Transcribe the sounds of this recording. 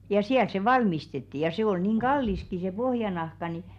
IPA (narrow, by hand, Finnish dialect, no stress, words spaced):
jɑ siæl se ʋɑlmistetːi jɑ se ol niˑŋ ɡ̊ɑlːiski se pohjɑnɑhkɑ ni